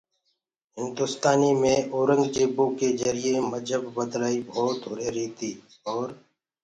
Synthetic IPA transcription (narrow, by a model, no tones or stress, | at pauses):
ɦɪ̃nd̪ʊst̪aːniːmẽːʔoːɾə̃ŋɡd͡ʒeːboːkezəɾɪeːməd͡ʒʱɦəbːəd̪laːiːbʱɔːt̪ɦʊɾeːɾiːt̪ʰiː | ɔːɾ